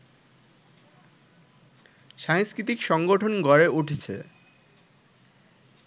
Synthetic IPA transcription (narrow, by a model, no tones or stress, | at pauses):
ʃaŋskɾit̪ikʃɔŋɡoʈʰonɡɔɾeʔuʈʰet͡ɕʰḛ